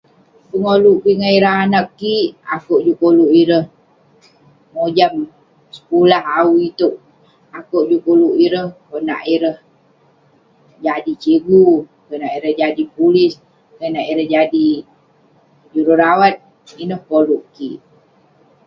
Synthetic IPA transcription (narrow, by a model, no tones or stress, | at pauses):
pəŋoluʔkiŋaiɾəɦanəkːiʔakoʔd͡ʒukoluʔiɾəh | mod͡ʒam | sə̥kulaɦawit̪uʔ̚ | akoʔd͡ʒukoluʔiɾəhkona̰ʔiɾəh | d͡ʒadit͡ʃeɡu | kənaʔiɾəhd͡ʒadipulis | kənaʔiɾəhd͡ʒadi | d͡ʒuɾuɾawat̪̚ | inəhkoluʔkiʔ